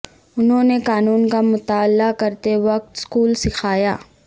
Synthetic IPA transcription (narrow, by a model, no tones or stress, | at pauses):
ʊnɦõnekaːnuːnkamʊt̪aːlːakɐɾt̪eʋɐk̚t̪skuːlsɪkʰaːjaː